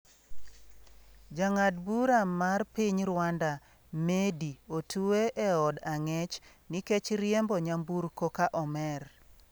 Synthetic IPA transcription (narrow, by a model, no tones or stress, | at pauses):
d͡ʒaŋadbuɾamarpiɲɾwanda | mediotʰueʔɛɔdaŋɛt͡ʃ | niket͡ʃɾjɛmbɔɲambuɾkokaʔɔmɛr